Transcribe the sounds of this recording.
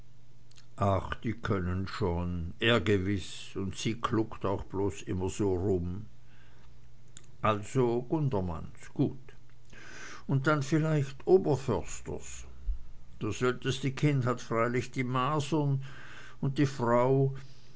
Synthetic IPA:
ʔaχd̥iːkʰœnənʃoːnʔeːɐɡəvɪs | ʊntsiːkʰlʊktaʊxb̥loːsʔɪmɐz̥oːʁʊm | ʔalz̥oɡ̥ʊndɐma̰nsɡ̥uːt | ʊnt̚d̥anfɪlaɪçtʔoːbɐfœɐstə̰s | d̥asz̥œltəstəkʰɪndhatfʁ̥aɪlɪçd̥iːmaːzən | ʊnt̚d̥iːfʁaʊ

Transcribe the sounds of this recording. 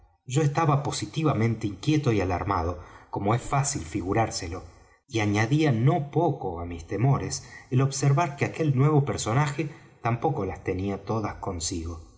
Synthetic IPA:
ʒ̥o̞est̪aβapo̞sit̪iβamẽ̞nt̪e̞iŋkje̞t̪o̞ialaɾma̰ð̞o̞ko̞mo̞esfasilfiɣuɾaɾselo̞ | iaɲaðiano̞po̞ko̞amist̪emo̞ɾeselo̞βseɾβaɾkeake̞lnwe̞β̞o̞peɾso̞naxe | t̪ampo̞ko̞last̪eniat̪oðasko̞nsiɣo̞

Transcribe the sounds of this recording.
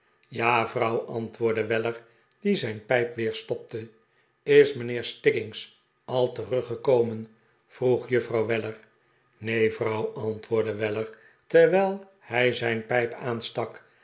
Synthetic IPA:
jaːvrɑwʔɑntʋʊːɹdəʋɛləɹ | d̥izɛjnpɛjpʋɪːɹstɔp̚tə | ɪsmənɪːɹstɪɡɪŋs | ɑlˠtərɵχəkowmən | v̥ruχjɵfrɑwʋɛləɹ | nejvrɑwɑntʋʊːɹdəʋɛləɹ | tɛɹʋɛlˠ | hɛjzɛjnpɛjpaːnstɑk

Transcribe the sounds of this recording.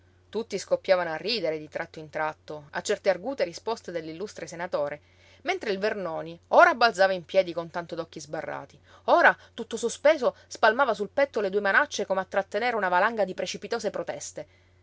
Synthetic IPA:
t̪ut̪ːiskopːjaːvanoarːiːd̪eɾed̪it̪ɾʔat̪ːoint̪ɾat̪ːoa̰t͡ʃːɛrt̪earɡuːt̪eɾispost̪ed̪elːilːust̪ɾesenat̪oːɾe | ment̪ɾeilvernoːnioːɾabːalsaːvaimpjɛːd̪ikont̪ant̪od̪ɔkːizbarːa̰ːt̪i | oːɾat̪ut̪ːosospeːzospalmaːvasulpɛt̪ːoled̪uːemanat͡ʃːekomeat̪ːɾat̪ːeneːɾeunavalaŋɡad̪ipɾet͡ʃipit̪oːsepɾot̪ɛst̪e

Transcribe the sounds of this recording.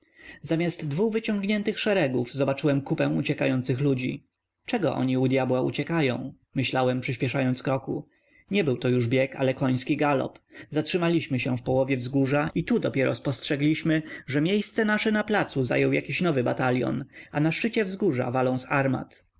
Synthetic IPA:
zamʲjazt̪ːvuvɘt͡ɕɔ̃ŋɡɲɛnt̪ɘxʂɛɾɛɡuvzɔbat͡ʂɘwɛmkupɛ̃w̃ut͡ɕɛkajɔnt̪sɘxlud͡ʑḭ | t͡ʂɛɡɔ̰ʔɔ̰ɲiud̪ʲjabwaṵt͡ɕɛkajɔ̰̃w̃ | mɘɕlawɛmpʂɘɕpʲjɛʂajɔnt̪skɾɔku | ɲɛbɘwt̪ɔjuʐbʲjɛka̰lɛkɔj̃skʲiɡalɔ̰pzatʂɘmalʲiɕmɘɕɛ̃fpɔwɔvʲjɛvzɡuʐait̪ud̪ɔpʲjɛɾɔ̰spɔstʂɛɡlʲiɕmɘʐɛmʲjejst̪sɛnaʂɛnaplat̪suza̰jɔwja̰kʲiɕnɔvɘbat̪alʲjɔ̰nanaʂt͡ʂɘt͡ɕɛvzɡuʐa̰valɔ̃w̃saɾma̰t̪

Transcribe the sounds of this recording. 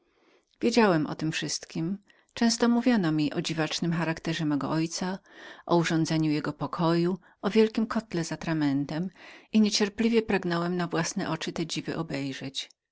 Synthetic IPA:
vʲjed͡ʑawɛmʔɔ̰t̪ɘmfʂɘst̪kʲim | t͡ʂɛ̃w̃st̪ɔmuvʲjɔnɔmʲiʔɔd͡ʑivat͡ʂnɘmxaɾakt̪ɛʐɛmɛɡɔ̰ʔɔjt̪saʔɔuʐɔ̃nd̪zɛɲujɛɡɔpɔkʰɔju | ɔvʲjɛlkʲimkʰɔt̪lɛzat̪ɾamɛnt̪ɛmiɲɛt͡ɕɛɾplʲivʲjɛpɾaɡnɔwɛmnavwasnɛʔɔt͡ʂɘt̪ɛd͡ʑivɘ̰ʔɔbɛjʐɛt͡ɕ

